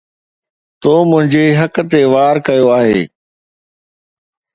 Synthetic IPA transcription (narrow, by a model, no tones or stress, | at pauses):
t̪oːmʊ̃ɦɪ̃ɲd͡ʑeɦɐkt̪eʋaːɾkɐjoaːɦeː